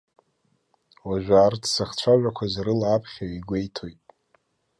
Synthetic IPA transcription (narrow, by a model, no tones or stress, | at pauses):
waʒᶣʷaːrtʰsaχt͡ɕʷʰaʒᶣakʷʰazɾɨlːpʰχʲaiɡʷe̞jtʰo̞jtʼ